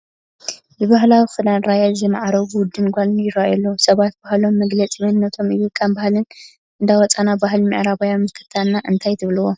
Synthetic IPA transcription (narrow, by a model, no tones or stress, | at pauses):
bɨβaɦlawifɨdanɾajazɨmaʕaɾɐβud̪ːɨnɡʷalnjɪɾajɐlːɐwsɐβat̪̚b̥ahlo̞mːɐɡlɐt͡sʼimɐnnːɐt̪ʰo̞mɨjukʼːambahlɨn | ʔɨnd̪awɔt͡sʼanabaɦlmɨ̰ʕɾaβajamːɨst̪ʰɐ̥t̪ʰannaʔɨnt̪ʰajt̪ʰɨβluwo